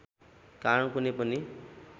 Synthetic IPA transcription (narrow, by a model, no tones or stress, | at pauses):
kankunepʌni